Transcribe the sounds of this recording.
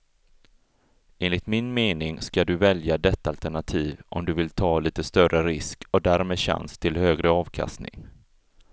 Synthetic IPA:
eːnlɪt̪mɪnmeːnɪŋskad̪ɵvɛljad̪ɛt̪ːaalt̪æɳat̪ʰiːvʔɔ̰md̪ɵvɪlt̪ʰɑːliːt̪əst̪œrʔəɾɪskɔd̪æːɾmeːd̪ɕa̰nst̪ʰɪlhøːɡɾəɑːvkʰa̰st̪nɪ̰ŋ

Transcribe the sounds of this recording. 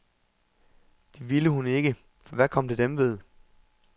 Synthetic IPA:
d̥e̝ʋiləɦune̝ɡ̥ə | fɒ̽ʋækʰɒ̽m̰d̥e̝d̥emʋe̝ð̞ˠ

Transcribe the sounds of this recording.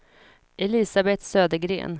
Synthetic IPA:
ʔɛlɪsabɛt̪søːd̪əɡɾḛːn

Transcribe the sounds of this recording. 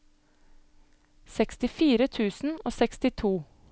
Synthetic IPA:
sɛkst̪ɪfiːɾət̪ʰʉːsn̩oːsɛkst̪ɪt̪ʰuː

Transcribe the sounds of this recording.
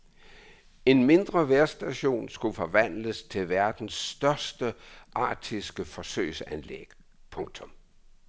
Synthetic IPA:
e̝nme̝nd̥ʁɐʋæɐsd̥æɕo̝̰ːnsɡ̥ufɒ̽ʋæn̰ləst͡sʰe̝lʋæɐd̥n̩sd̥ɶɐsd̥əʔɑ̰̈ːd̥ʰisɡ̥əfɒ̽sø̰ɪ̰sænlḛɡ̥ | pʰɔ̽ŋt͡sʰɔ̽m

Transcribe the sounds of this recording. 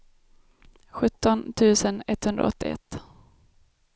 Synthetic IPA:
ɧɵt̪ːɔnt̪ʰʉ̟ːsənɛt̪ːhɵnd̪ɾa̰ɔ̰t̪ːɪɛ̰t̪ː

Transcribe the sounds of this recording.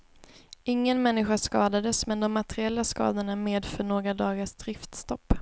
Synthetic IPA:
ʔɪŋːənmɛnːɪɧaʂkɑːd̪ad̪əsmɛnd̪ɔmːat̪ɛɾɪɛlːaskɑ̰ːd̪əɳameːd̪fœɳoːɡɾad̪ɑːɡaʂd̪ɾɪft̪st̪ɔpː

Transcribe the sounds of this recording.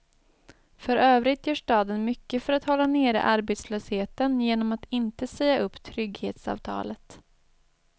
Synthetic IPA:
fœɾøːvɾɪt̪jœːʂʈɑːd̪ənmʏkːəfœɾat̪hɔlːaneːɾə̰ʔaɾbeːt̪sløːsheːt̪ənjeːnɔmat̪ɪnt̪əsɛjːaʔɵpːt̪ʰɾʏɡheːt̪sɑ̰ːvt̪ʰɑ̰ːlət̪

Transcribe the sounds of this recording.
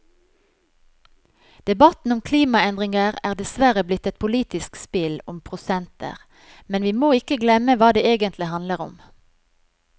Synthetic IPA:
d̪̥ɛbɑt̪n̩ʊmkʰliːmɑɛnd̪ʁɪŋəʁæːʁd̪ɛsʋæʁəblɪt̪ːɛt̪̚pʰʊliːt̪ɪskspɪlʊmpʰʁʊsɛnt̪ə̰ʁ | mɛnʋiːmoːɪkəɡlɛməʋɑːd̪eːeːɡənt̪lɪhɑnd̪ləʁʊ̰m

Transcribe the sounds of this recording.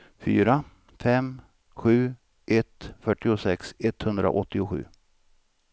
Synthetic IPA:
fyːɾa | fɛm | ɧʉ̟ː | ʔɛt̪fœʈːɪʊsɛksɛt̪ːhɵnd̪ɾa̰ʔɔt̪ːɪʊɧʉ̟̰ː

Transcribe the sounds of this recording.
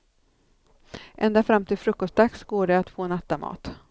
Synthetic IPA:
ʔɛnd̪afɾamt̪ʰɪlfɾɵkːɔst̪̚d̪aksɡoːɖɛat̪foːnat̪ːamɑ̰ːt̪

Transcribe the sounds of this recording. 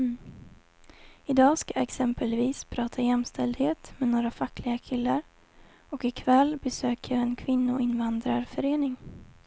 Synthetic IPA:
ɪd̪ɑːskajɛksɛmpəlviːspʰɾɑːt̪ʰajɛmst̪ʰɛld̪heːt̪mɛnoːɾafakːlɪɡakʰɪlːaɾ | ɔkɪkʰvɛlːbɛsøːkjɑɛnkʰvɪnːʊɪnvand̪ɾaɾfœɾeːnɪŋ

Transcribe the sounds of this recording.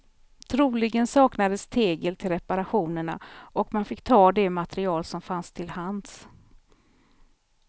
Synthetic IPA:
t̪ʰɾuːlɪɡənsɑːknad̪əst̪ʰeːɡəlt̪ʰɪlɾɛpaɾaɧuːnəɳa̰ʔɔkmanfɪkːt̪ʰɑːd̪ɛmat̪ɾɪɑːlsɔmfanst̪ʰɪlhans

